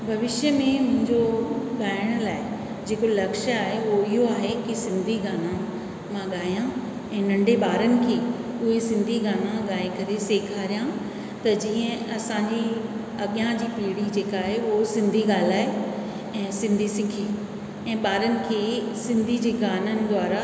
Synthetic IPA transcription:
bʱɐʋɪʃjəmẽmʊ̃ɦɪ̃ɲd͡ʑoɠaːɪɽ̃laːɪ | d͡ʑeːkolɐkʃaːɦeoɪɦoaːɦekisɪ̃nd̪ʱiɡaːnã | mãɠaːijã | ɛ̃ːnɐ̃ɳɖeɓaːɾənɪ̆kʰeː | ʊɦesɪ̃nd̪ʱiɡaːnãɠaːekɐɾeseːkʰaːɾijã | t̪ɐd͡ʑiːə̃ɐsãːɲd͡ʑi | ɐɠjãd͡ʑiːpiːɽid͡ʑeːkaːɦeʊɦosɪ̃nd̪ʱiɠaːl̤aːe | ɛ̃ːsɪ̃nd̪ʱisɪkʰe | ɛ̃ːɓaːɾənɪ̆kʰeːsɪ̃nd̪ʱid͡ʑeːɡaːnənɪ̆d̪ʱʋaːɾa

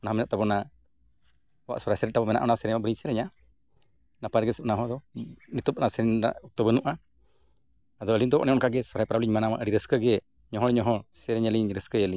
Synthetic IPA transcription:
ɔnaɦamɛnaʔt̪abɔna | wa̰ʔsɔɾajsɛɾɛt̪̚ʈabɔmɛna̰ʔɔnasɛɾɛɲmaʔbɾiɲsɛɾɛɲa | napaɾɡɛsəp̚naɦɔd̪ɔnit̪ɔp̚nasɛɾɛna̰ʔɔk̚t̪ɔbənuʔa | ad̪ɔəliɲd̪ɔbɔ̰ʔnɛɔnkaɡɛsɔɾajpɾabliɲmanamaʔəɽiɾəskəɡɛɛ | ɲɔɦɔɾɛɲɔɦɔsɛɾɛɲəliɲɾəskəəliɲ

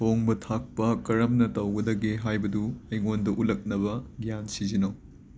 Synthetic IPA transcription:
toŋbɐtʰak̚pɐkɐɾɐmnɐtɐwɡɐdɐɡeɦajbɐduɐjŋondɐʔulɐk̚nɐbɐɡijansizinɐw

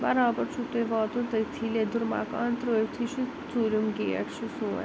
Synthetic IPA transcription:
bɐɾaːbɐɾt͡ʃʰut̪eʋaːt̪ũt̪əjt̪ʰiled̪uɾma̰ka̰ːnt̪ɾoːjt̪ʰiʃu | t͡suːɾʲumɡeːɐ̰ʈʃusṵ̃ː

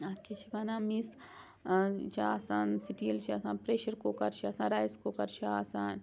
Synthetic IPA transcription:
ɐkʰit͡ʃʰibaːnãːmis | t͡ʃʰasaːnsiʈiːɐlt͡ʃʰiasãːnpɾeːʃɐɾkokɐɾt͡ʃʰiaːsãːɾaːjskokɐɾt͡ʃʰiaːsaːn

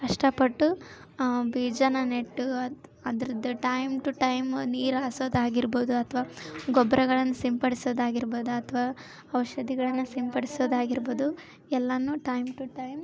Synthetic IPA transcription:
kɐʂʈɐpɐʈːu | biːd͡ʒɐnɐneʈːuɐd̪ɐɾid̪ɐʈɐjmʈuʈɐjmniːɾaːsoːd̪aːɡiɾboːd̪uɐt̪ʰʋaːɡɔbɾɐɡɐɭɐnːusimpɐɽisoːd̪aːɡiɾboːd̪uɐt̪ʰɐʋaː | ɐʋɐʃɐd̪iɡɐɭɐnːusimpɐɽisoːd̪aːɡiɾboːd̪u | ɛlːɐnːuːʈɐjmʈuʈɐjm

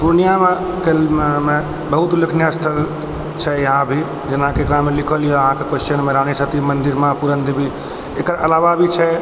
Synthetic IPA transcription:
puɾnijame | keme | bəɦut̪ləkʰnjast̪ʰəl | t͡ʃʰɛjəɦãbʱi | d͡ʒənãkekɾamelikʰəlijoəɦãkekost͡ʃənmeɾanisət̪imənd̪iɾmãpuɾənd̪ibʱi | ekəɾəlaʋabʱit͡ʃʰɛ

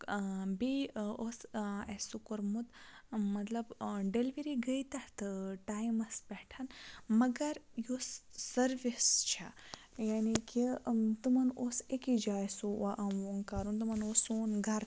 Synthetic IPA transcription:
biosesukoɾmut̪mɐt̪lɐbɖelʋiɾiɡɐjt̪ɐɾt̪ɨʈaːjmɐspɛːʈʰɐnmɐɡɐɾjosːɐɾʋist͡ʃʰa | jaːnikit̪umɐnosekid͡ʒaːjsuaʔɐʋoːŋkaːɾunt̪̬umɐnosoːnɡʱɐɾ

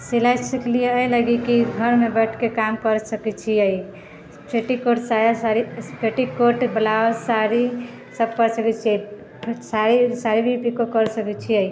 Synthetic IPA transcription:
silajsəklijeəjləɡikiɡʱəɾmebɛʈʰkekamkəɾsəkɛt͡ʃʰiəi | pʰeʈikoʈsajasaɾipʰeʈikoʈblasaɾi | səb̚kəɾsəkɛt͡ʃʰiə | saɾisaɾibʱipikokəɾsəkɛt͡ʃʰiəj

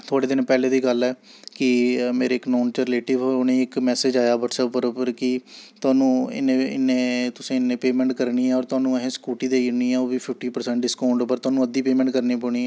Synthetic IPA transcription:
t̪ʰoːɽeːd̪ɪnpɛːleːd̪iːɡəlɛː | kɪmeːɾeːɪknoːnt͡ʃəɾɪleːʈɪʋooːneːɪkmɛːseːd͡ʒaːjaːʋəʈsɛpːəɾpəɾkɪt̪ʊaːnũːɪ̰neːɪnːẽːt̪ʊsĩːɪnːẽːpeːmɛ̃ːɳʈkəɾɳiːɛːɔːɾt̪ʊaːnũːəɦẽːskuːʈiːd̪eːiniːɛːoːʋiːpʰɪp̚ʰʈiːpəɾsɛ̃ːɳʈɖɪskaːɳɖpəɾt̪ʊaːnũːəd̪iːpeːmɛ̃ɳʈkəɾniːpəːɳ̃iːɛː

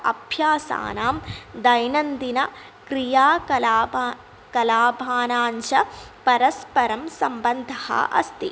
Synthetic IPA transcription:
ʔɐ̰bʱjaːsa̰ːnaːmd̪ɐjnɐnd̪inɐ | kɾijaː | kɐlaːbʱaːnaːnt͡ʃɐpɐɾɐspɐɾɐmsɐmbɐnd̪ʱɐhɐ̰ʔɐ̰st̪i

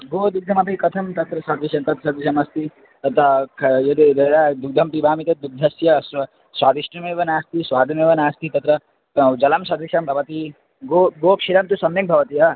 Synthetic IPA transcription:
ɡoːd̪uk̚d̪ʱɐmɐpikɐt̪ʰɐmt̪ɐt̪ɾɐsɐd̪isjɐnt̪ɐt̪sɐd̪isɐmɐst̪i | t̪ɐt̪ɐkʰjed̪iɾeɾad̪uk̚d̪ʱɐmpibʱaːmit̪ɐd̪uɡ̚d̪ʱɐsjɐs | swaːd̪isʈɐmeːʋɐnaːst̪iswaːd̪ʱɐmeːʋɐnaːst̪it̪ɐt̪ɾɐ | d͡ʒɐlɐmsɐd̪isɐmbʱɐʋɐt̪i | ɡoɡoːkʃiɾɐmt̪usɐmek̚bʱɐʋɐt̪iɦɐ

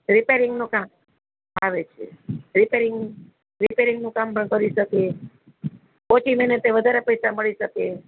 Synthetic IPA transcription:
ɾipeɾiŋɡnũkam | aʋet͡ʃʰḛɾipeɾiŋɡ | ɾipeɾiŋɡnũkampəɳkəɾiʃəke | pot͡ʃimenet̪eʋəd̪ʱaɾepəjsaməɭiʃəke

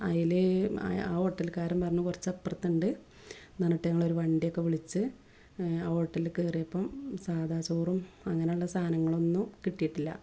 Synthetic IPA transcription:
ɐ̰jilḛa̰ːo̞ːʈːɐlkaːɾumpɐrɐɲːukurɐt͡ɕːɐpːrɐt̪ːuɳɖɨ | nɐnːuʈːeɲɐŋːɐɭo̞ɾuʋɐɳɖijo̞kːe̞ʋiɭit͡ɕːɨ | aːo̞ːʈːɐlikeːrijɐpːɐmsaːd̪ʱaːt͡ɕoːrumɐŋːɐneuɭːɐst̪ʰaːnɐŋːɐɭo̞nːumkiʈːijiʈːilːɐ̰

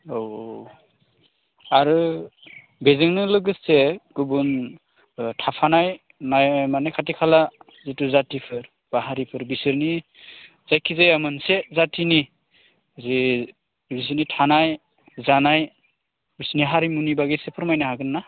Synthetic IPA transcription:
ow | aɾɯ | bezɯŋnɯlɯɡɯsseɡubun | tʰapʰanaj | najmanajkʰatikʰala | zituzatipʰɯɾ | b̥aɦaɾipʰɯɾbisɯɾni | z̥ajkʰizajamɯnsezatʰini | zi | bis̬ɯɾnitʰanaj | zanaj | bisniɦaɾimunibaɡesepʰɯɾmajnaɦhaɡɯnːa

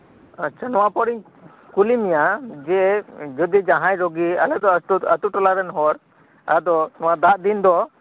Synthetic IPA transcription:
t͡ʃənɔwapɔɾiɲ | kulimijad͡ʒɛd͡ʒɔd̪id͡ʒaɦãjɾɔɡia̰lɛd̪ɔt̪uət̪uʈɔlaɾɛnɦɔɾ | ad̪ɔnɔwad̪aʔd̪ind̪ɔ

